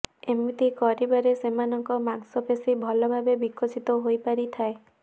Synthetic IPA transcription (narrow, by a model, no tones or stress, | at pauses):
emit̪ikɔɾibaɾesemanɔŋkɔmaŋsɔpesibʱɔlɔbʱabebikʰːot͡ʃit̪ɔɦojpaɾit̪ʰae